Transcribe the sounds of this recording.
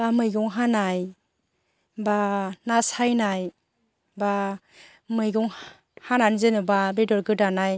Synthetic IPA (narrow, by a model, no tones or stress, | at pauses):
bamɯjɡɔŋɦanaj | banasajnaj | ba | mɯjɡɔŋ | hananizenubabedɔɾɡɯdanaj